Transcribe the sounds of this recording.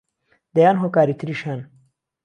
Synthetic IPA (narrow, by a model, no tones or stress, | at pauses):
d̪ɐjanɦokaːɾit̪ɾiʃan